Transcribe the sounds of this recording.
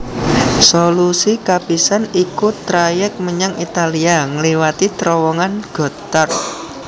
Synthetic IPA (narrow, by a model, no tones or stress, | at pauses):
solusikapisanikut̪ɾajɛk̚məɲaŋit̪aliaŋəliwat̪it̪ɾɔwɔŋanɡ̥ɔ̤t̪ar